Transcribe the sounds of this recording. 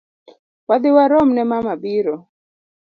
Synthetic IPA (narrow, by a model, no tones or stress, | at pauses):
wad̪ɪwaɾɔmnɛmamabiɾɔ